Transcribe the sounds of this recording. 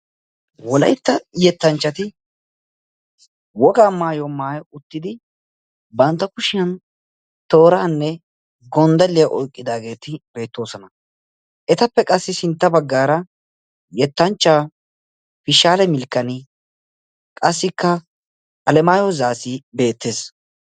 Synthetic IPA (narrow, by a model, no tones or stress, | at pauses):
wɔlɐ̰jt̪ːɐjɛt̪ːɐnt͡ʃːɐt̪ɪ | wɔɡaːmaːjɔmaːjʊt̪ːɪd̪ɪ | bɐnt̪ːɐkʊʃɪjɐn | t̪o̞ːɾaːnːɛ | ɡɔnd̪ɐlːɪjɐʔɔjkʼːɪd̪aːɡe̞ːt̪ɪbe̞ːt̪ːo̞ːsɔnɐ | ʔɛt̪ɐpːɛkʼɐsːɪsɪnt̪ːɐbɐɡːaːɾɐ | jɛt̪ːɐnt͡ʃːaː | fɪʃaːlɛmɪlkːɐnɪ | kʼɐsːɪkːɐ | ɐlɛmaːjɔzaːsibe̞ːt̪ːe̞ːs